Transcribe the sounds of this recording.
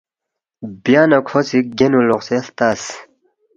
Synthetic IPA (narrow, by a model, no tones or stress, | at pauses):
bjaːnɐkʰosik̚ɡenuloqseɬt̪as